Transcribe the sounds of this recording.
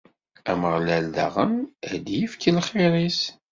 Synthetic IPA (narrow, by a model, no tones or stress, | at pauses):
æməʁlæld̪a̰ʁəmæd̪jifkəlχeɾˤis